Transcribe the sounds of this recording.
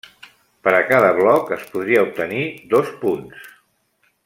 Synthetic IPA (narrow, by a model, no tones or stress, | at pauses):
pəɾəkaðəβlɔkəspuðɾiəup̚t̪əniðospuns